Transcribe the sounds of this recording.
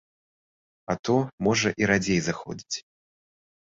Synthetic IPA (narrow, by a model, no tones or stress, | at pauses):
ɐt̪ɔmɔʐɐʔiɾad͡zʲejzaxɔ̰d͡zʲit͡sʲ